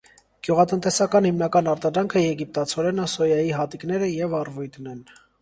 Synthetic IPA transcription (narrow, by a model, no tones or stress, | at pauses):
ɡ̥juʁɑt̪ənt̪ɛsɑkɑnhimnɑkɑnɑɾt̪ɑd̪ɾɑŋkʰəjɛɡip̚t̪ɑt͡sʰɔɾɛnəsɔjɑjiɦɑt̪iknɛɾəjɛvɑrvujt̪nɛn